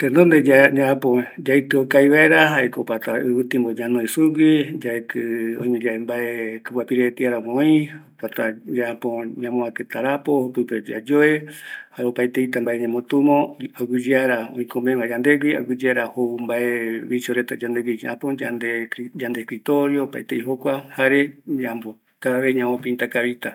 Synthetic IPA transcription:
t̪end̪ond̪ed͡ʒad͡ʒaapõd͡ʒait̪ɨokaiβaeɾaɦaekopat̪aɨβɨt̪ĩmbod͡ʒanõisuɡʷid͡ʒaet̪ɨõĩɲẽd͡ʒaembaekɨpwapiɾet̪iaɾamõĩopat̪ad͡ʒaapõɲãmõaket̪aɾapohopɨped͡ʒa̰d͡ʒoehaɾeopajt̪eit̪ambaeɲẽmõt̪umõaɡɨd͡ʒeaɾaõĩkʰomẽβad͡ʒand̪eɡʷia̰ɡɨd͡ʒeaɾahoumbaʔeβit͡ʃoɾet̪ad͡ʒand̪eɡʷid͡ʒʔa̰põand̪ed͡ʒand̪ekɾit̪oɾjopa̰jt̪eiɦokʷahaɾeɲãmbo | kaaβeɲãmõpĩnt̪akaβit̪a

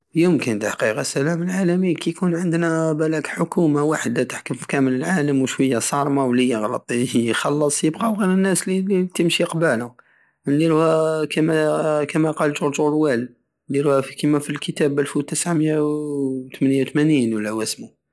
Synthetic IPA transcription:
jʊmkænt̪ħɑ̥qiqɑsælæməlʕalæmikæjkunʕənd̪næbælækħʊkumawaħəd̪læt̪ə̥ħkʊmfi̥kæmələlʕaləmwʃwəjːasˤɑɾˤmawlijəɣlɑt̪ˤxɑlːɑsˤjəbqɑwɣiɾənːæslilit̪əmʃiqbælʊ | nliɾuhækæmækæmæqɑlʒʊɾd͡ʒuɾwælː | iɾuhæfikəmæfilkət̪æbʔælfwt̪əsʕmjawt̪mænjawt̪mæninwəlːæwæsmu

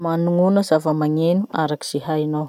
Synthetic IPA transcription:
manuŋunəzavəmaŋenuaɾaki̥z̥iɦainow

